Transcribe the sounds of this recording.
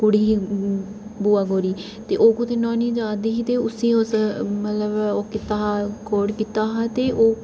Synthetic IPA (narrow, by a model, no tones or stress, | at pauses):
kʊɽiːiː | buːaːɡoːɾiː | t̪eːʔoːkʊt̪ʰeːnɔ̃ːniːd͡ʒaːd̪iɦiːt̪eːʊsĩːʊsmət̪ləboːkɪt̪aːɦkʰoːɽkiːt̪aːɦaːt̪eːʔoː